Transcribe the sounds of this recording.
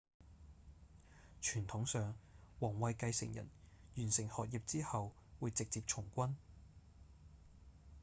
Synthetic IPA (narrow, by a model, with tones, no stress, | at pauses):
t͡ʃʰyː˨˩nt̪ʰʊ˨˥ŋsœː˨ŋwɔː˨˩ŋwɐ˨˧jkɐ˧jsɪ̰˨˩ŋjɐ̰˨˩njyː˨˩nsɪ˨˩ŋhɔː˨t̚ji˨p̚t͡siː˥hɐ˨w | wuː˨˧jt͡sɪ˨k̚t͡siː˧p̚t͡ʃʰʊ˨˩ŋkʷɐ˥n